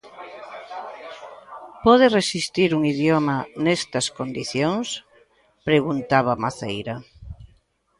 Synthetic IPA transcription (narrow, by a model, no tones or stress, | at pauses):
pɔðeresist̪iɾuŋiðjomanest̪ɐskond̪iθjoŋs | pɾeɣunt̪aβ̞amaθejɾɐ